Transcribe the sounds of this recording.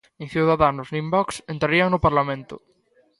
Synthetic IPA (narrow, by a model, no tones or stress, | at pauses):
ẽŋθjuwðaðanʊznĩmbɔksent̪ɾaɾiaŋnʊpaɾlamẽnt̪ʊ̰